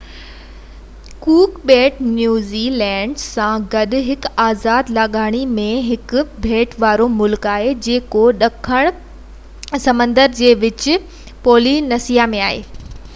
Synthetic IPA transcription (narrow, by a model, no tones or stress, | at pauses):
kuːkbeːʈnjuːzilɛ̃ːɳɖsãɡɐɗʊ̆ɦɪkaːzaːd̪laːɠaːɽ̃imẽɦɪkʊbʱeːʈʋaːɾomʊlkaːɦed͡ʑeːkoɗɐkʰəɽ̃ | sɐmə̃nd̪əɾd͡ʑeːʋɪt͡ɕɪ̆ | poːlinɐsijamẽaːɦḛː